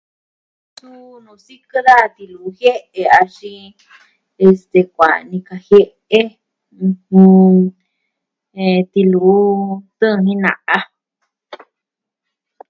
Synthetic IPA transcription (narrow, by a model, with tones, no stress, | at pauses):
su˦ | nũ˧˨si˦kɨ˦ða˦˨˧t̪i˧lu˨˦hje˦ʔe˧a˧ʃĩ˧ | e˧st̪e˨kʷa̰˨nĩ˧ka˨he˦ | ẽ˦˧ | h | e˧t̪i˧lu˨˦t̪ɨ̃˦˧nĩ˦nã̰˨ʔa˦